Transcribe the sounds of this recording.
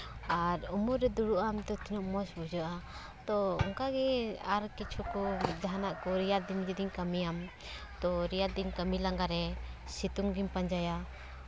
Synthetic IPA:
aɾumuɾɾɛd̪uɽuʔamt̪ɔt̪inuʔmɔsbud͡ʒaʔa | t̪ɔɔ̰ŋkaɡɛaɾkit͡ʃʰukɔd͡ʒaɦanaʔkɔɾijad̪ind͡ʒid̪iɲkamijam | t̪ɔɾijad̪iɲkəmilaŋɡaɾɛsit̪uŋɡimpaɲd͡ʒaja

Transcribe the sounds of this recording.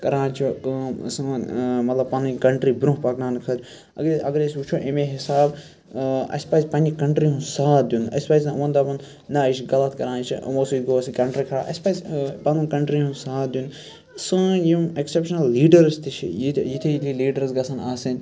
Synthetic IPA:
kɐɾãːnt͡ʃʰoksɨ̃mɐt̪lɐb̚pɐnɨkɐɳʈɾibɾũɦpɐknaːnkʰɐɾ | ɐ̰ɡɾɐɡɾesʲut͡ʃʰoʔemeɦisaːb | ɐ̰sʲpaːzʲpɐnʲikɐɳʈɾiɦũsaːd̪junɐ̰sʲpajzʲãʋɐ̃nd̪abɐn | nɐiʃɡɐlɐt̪kɐɾãːnt͡ʃʰiʔmoːsuɡoːɐsikɐɳʈɾikʰɐɾaːʔɐ̰sʲpazʲpɐnũkɐɳʈɾiɦũsaːd̪ʲjun | sɨ̃jieksepʃɐnɐlːiːɖɐɾst̪it͡ʃʰḭjijit̪ʰiilʲiliːɖɐɾzɡɐsɐnaːsinʲ

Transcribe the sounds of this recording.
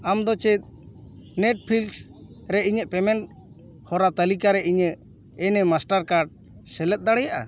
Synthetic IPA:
amd̪ɔt͡ʃɛt̪̚nɛʈ̚pʰilsɾɛʔiɲəʔpɛmɛɳʈ̚ | hɔɾat̪əlikaɾɛʔiɲəʔ | ɛnɛmasʈaɾkaɖ̚ | sɛlɛt̪̚ˀd̪aɽɛjaʔa̰

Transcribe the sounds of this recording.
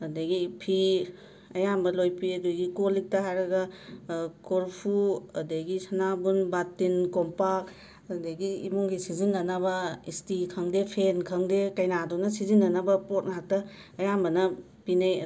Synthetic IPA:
ɐdaɡipʰi | ɐjambɐlojpiɐduɡikolik̚tɐɦajɾɐɡɐ | koɾpʰuɐdejɡisɐnabunbatːinkompak̚ | deɡiimuŋɡisizinːɐnɐβɐistikʰɐŋdepʰenkʰɐŋdekɐjnadunɐsizinːɐnɐbɐpot̚naɦak̚tɐː | jambɐnɐ | pinaj

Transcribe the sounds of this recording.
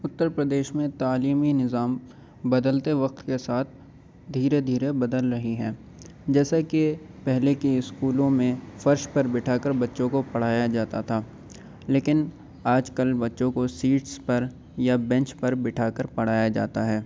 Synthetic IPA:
ʊt̪ːəɾpɾəd̪eːʃmẽt̪aːliːminɪzaːm | bɐd̪əlt̪eʋɐq̚t̪kesaːt̪̚ʰ | d̪ʱiːɾed̪ʱiːɾebɐd̪əlɾɐɦiɦɛ̃ː | d͡ʒɛːsaki | pɛɦlekiɪskuːlõmẽfɐɾʃpɐɾbɪʈʰaːkəɾbɐtːʃõkopɐɽ̤aːjad͡ʒaːt̪at̪ʰaː | leːkɪn | aːd͡ʒkɐlbɐtːʃõkosiːʈspɐɾ | jabɛ̃ɲt͡ʃpɐɾbɪʈʰaːkəɾpɐɽ̤aːjad͡ʒa̰ːt̪aɦɛː

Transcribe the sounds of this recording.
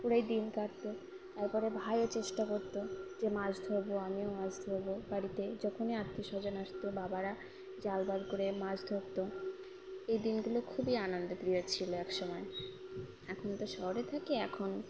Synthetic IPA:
puɾajd̪inkaɾt̪o | t̪aɾpɔɾebʱajot͡ɕeʃʈakoɾt̪od͡ʑemad͡ʑd̪ʱoɾboamiomad͡ʑd̪ʱoɾbobaɽit̪ed͡ʑɔkʰoniat̪ːiʃɔd͡ʑonaʃt̪obabaɾa | d͡ʑalbalkoɾemad͡ʑd̪ʱokt̪o | ejd̪inɡulokʰubianond̪opɾijot͡ɕʰiloɛkʃɔmɔe | ɛkʰont̪oʃɔɦoɾet̪ʰakeɛkʰon

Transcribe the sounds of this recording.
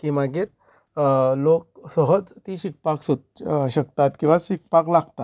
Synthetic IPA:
kimaɡiːɾ | lok̚səɦəd͡zt̪iːɕik̚paksoɕəkt̪at̪kĩw̃ʋasik̚paklaɡt̪at̪

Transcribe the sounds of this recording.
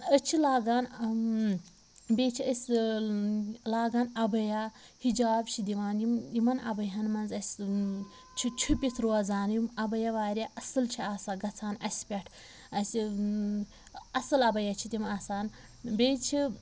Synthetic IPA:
ət͡ʃʰilaːɡaːn | bʲeːt͡ʃʰiəsʲ | laːɡaːnɐbɐja | hid͡ʒaːbt͡ʃʰid̪iʋaːnjimjimɐnɐ̰bɐɦɐnmɐnzɐsʲ | t͡ʃʰit͡ʃʰupʲit̪ʰɾoɐzaːnjimɐbɐjɐʋaːɾʲaʔɐsɨlt͡ʃʰiaːsaːɡɐt͡sʰaːnɐsʲpʲɛʈʰ | ɐsʲ | ɐsɨlɐbɐjɐt͡ʃʰit̪ʲimaːsaːn | bʲeːt͡ʃʰi

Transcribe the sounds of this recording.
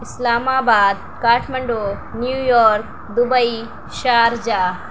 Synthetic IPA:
ɪslaːmaːbaːd̪̚ | kaːʈʰmɐɳɖoː | njuːjɔːɾk̚ | d̪ubɐji | ʃaːɾd͡ʒaː

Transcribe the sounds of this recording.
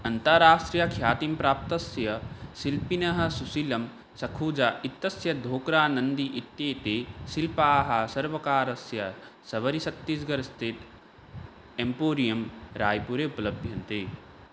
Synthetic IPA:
ɐnt̪ɐɾaːsʈɾijɐkʰjaːt̪impɾaːp̚t̪ɐsjɐsilpinɐɦɐ̆susilɐm | sɐkʰuːd͡ʒɐit̪ːɐsjɐd̪ʱoːkɾaːnɐnd̪iʔit̪ːeːt̪eːsilpaːɦɐsɐɾʋɐkaːɾɐsjɐsɐʋɐɾisɐt̪ːisɡɐɾst̪ʰit̪ | empoːɾijɐmɾaːjpuɾeupɐlɐbʱjɐnt̪eː

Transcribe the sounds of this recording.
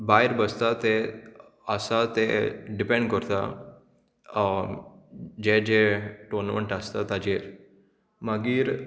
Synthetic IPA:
bajɾbəst̪at̪e | əsat̪eɖipẽɳɖkəɾt̪a | d͡ʑed͡ʑeʈonməɳʈast̪at̪ad͡ʑeɾ | maɡiːɾ

